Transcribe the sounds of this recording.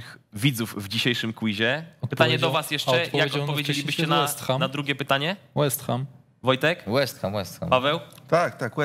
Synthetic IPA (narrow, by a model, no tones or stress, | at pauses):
xvʲid̪zufvd͡ʑiɕejʂɘmkwiʑɛpɘt̪aɲɛɔvasjɛʂt͡ʂɛjakɔtpɔvʲjed͡ʑelʲibɘɕt͡ɕɛnaɛst̪xanad̪ɾuɡʲɛpɘt̪aɲɛ | wɛst̪xam | vɔjt̪ɛkwɛst̪xamwɛst̪xa̰mpavɛwt̪akt̪akwɛ